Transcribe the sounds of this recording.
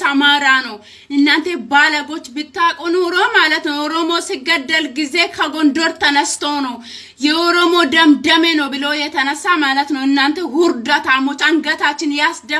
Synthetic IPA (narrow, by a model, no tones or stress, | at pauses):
ɐmaːɾaːno | ɪnːant̪ebaːlɐɡɔt͡ʃːbɪt̪ːaːkʼɔnʊɾoːmaːlɐt̪nɐwɔɾomoːsɪɡɐd̪ːɐlɡɪzekʰɐɡɔnd̪ɔɾt̪ɐnɐst̪oːnɐw | jɛɔɾɔmoːd̪ɐmd̪ɐmɛnɐwbɪloːjɛt̪ɐnɐsːaːmaːlɐt̪nɐwɪnːɐnt̪ɛhʊɾd̪ɐt̪aːmot͡ʃʼɐŋɡɐt̪aːt͡ʃːɪnjaːsd̪ɐ